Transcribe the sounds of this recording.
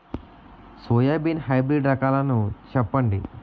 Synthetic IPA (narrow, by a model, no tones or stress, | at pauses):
soːjaːbinɦɐjbɾiɖɾɐkaːlɐnut͡ʃɛpːɐɳɖi